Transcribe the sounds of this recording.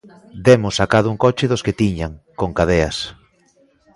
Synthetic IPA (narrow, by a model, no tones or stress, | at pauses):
d̪emosakaðʊuŋkot͡ʃeðosket̪iɲaŋkoŋkaðeas